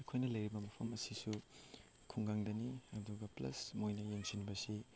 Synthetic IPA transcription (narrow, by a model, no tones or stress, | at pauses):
ɐjkʰojnɐlɐjɾibɐmɐpʰɐmɐsisu | kʰuŋɡaŋdɐniɐduɡɐplɐ̰smojnɐjeŋsinbɐsi